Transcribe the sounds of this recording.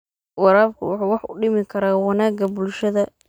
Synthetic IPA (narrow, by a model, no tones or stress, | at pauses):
wɑɾaːb̚kʰʊ̰wʊħuːwɑħʊɖɪmɪkʰɐɾaːwɑnaːɡɐbʊlʃɐðɐ